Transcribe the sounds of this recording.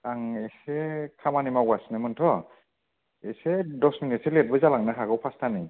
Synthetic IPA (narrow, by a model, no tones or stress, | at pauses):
aŋesɛkʰamanimawɡasnamɯntʰɔ | esɛdɔsminitselɛt̚bɯzalaŋnaɦaɡɔwpʰastʰani